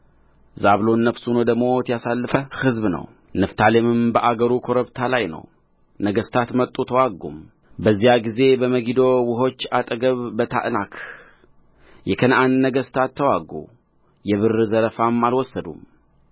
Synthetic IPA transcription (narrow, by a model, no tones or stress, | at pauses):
zaβlo̞nːəβsunod̪əɡmo̞t̪ʰjasalːɨfəhɨzbnə̰w | nɨft̪ʰalemɨmbəʔaɡəɾukʰo̞ɾəβt̪ʰalajnə̰w | nəɡəst̪ʰat̪mət̪ʼːut̪ʰəwaɡːṵm | bəzːijaɡize̞bəməɡid̪o̞wʊɦo̞t͡ʃːat̪ʼəɡəβːət̪ʰa̰ʔnakʰ | jɛkʰənʔanːəɡəst̪ʰat̪ʰːəwaɡṵ | jɛβɨrzəɾəfamalwɔsːəd̪ṵm